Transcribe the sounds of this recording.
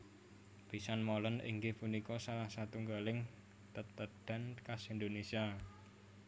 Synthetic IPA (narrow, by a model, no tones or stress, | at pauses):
b̥i̤sanmolənḭŋɡehpunikɔsalahsat̪uŋɡalɪŋ | t̪ət̪əd̥a̤nkasind̪onesia